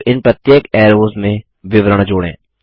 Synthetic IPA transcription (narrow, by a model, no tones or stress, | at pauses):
ɪnpɾət̪jeːkɛːɾoːzmẽ | ʋɪʋɾəɽ̃d͡ʒoːɽḛ̃ː